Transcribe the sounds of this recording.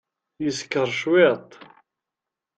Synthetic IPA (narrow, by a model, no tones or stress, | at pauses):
jəskːəɾˤʃwɪt̪ˤ